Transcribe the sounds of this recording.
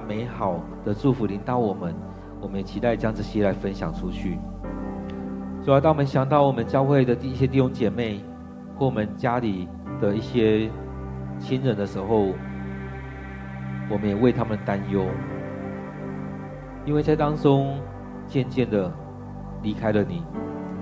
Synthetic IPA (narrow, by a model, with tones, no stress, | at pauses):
me˧˥ɪxɑ˨˩ʊ | d̪̥ə˨ʈ͡ʂu˥˩fu˨˦li˧˥ŋt̪ɑ˨˩ʊwɔ˨˩mə˦n | wɔ˨˩mə˦njɛ˨˩t͡ɕʰi˧˥t̪a˥˩ɪ˨˩t͡ɕjɑ˥ŋʈ͡ʂ̩˥˩ɕjɛ˦la˧˥ɪfə˦nɕjɑ̰˨˩ŋʈ͡ʂʰu˦˥t͡ɕʰy˥˩ | t͡su˧˩wt̪ɑ˥ŋwɔ˨˩ə˦nɕjɑ˨˩ŋt̪ɑ˥˩ʊwɔ˨˩mə˨˦nt͡ɕjɑ˥˧ʊxwe˥˩ɪd̪ə˩i˥˩ɕjɛ˥t̪̬i˥˩ɕʊ˥ŋt͡ɕjɛ˨˩me˥˩ɪ | wɔ˥˩wɔ˨˩mə˦nt͡ɕja˥li˨˩ | d̪̥ə˨i˥˩ɕjɛ˦˥ | t͡ɕʰi˥nɻə˨˦nd̪ə˨ʂɻ̩˧˥xo˥˨ʊ | wɔ˨˩mə˦njɛ˨˩we˥˩ɪt̪ʰa˥mə˨nt̪a˦njo˦˥ʊ | i˥nwe˥˩ɪt͡sʰa˥˧ɪt̪ɑ˥ŋʈ͡ʂʊ˦ŋ | t͡ɕjɛ˥˧nt͡ɕjɛ˥˩nd̪ə˩ | li˧˥kʰa˥ɪlə˨ni˨˩˦